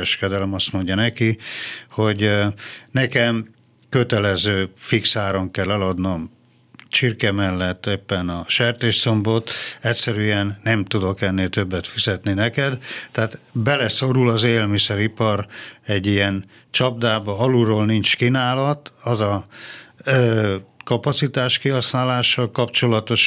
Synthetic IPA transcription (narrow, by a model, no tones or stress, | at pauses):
ɛʃkɛd̪ɛlɛmɒst̪mo̞ɲɟɒnɛkiho̞ɟ | nɛkɛm | køt̪ɛlɛzøːfiksaːɾoŋkɛlːɛlɒd̪nom | t͡ʃirkɛmɛlːɛt̪ːeːpːɛnɒʃɛrt̪eːʃso̞mbo̞t̪ɛcʲsɛɾyɛnːɛmt̪ud̪o̞kɛnːeːlt̪øbːɛt̪fizɛt̪ninɛkɛd̪t̪ːɛaːt̪bɛlɛso̞ɾulɒzeːlmisɛɾipɒrɛɟːijɛn | t͡ʃɒb̚d̪aːbɒɒluɾoːlnint͡ʃkinaːlɒt̪ɒzɒ | øːkɒpɒt̪sit̪aːʃkiɦɒsnaːlaːʃɒlkɒpt͡ʃo̞lɒt̪o̞ʃ